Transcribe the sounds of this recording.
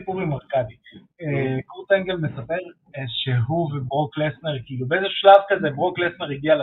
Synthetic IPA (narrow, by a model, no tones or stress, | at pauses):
puʁimeʁkabi | ekuʁt̪eŋɡelmesapeʁ | ʃeɦuvebʁoklesneʁkiːlubeezeʃu̥ʃlavkazebʁoklesneʁiɡial